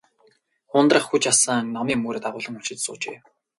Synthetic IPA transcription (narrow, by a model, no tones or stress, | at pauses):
χʊnt̪rə̆χxut͡ɕasənɔmiːmoːɾet̪aʁʊːɮə̆ŋɵ̥t͡ɕɪ̆t̪sʊ̰ːt͡ɕḛː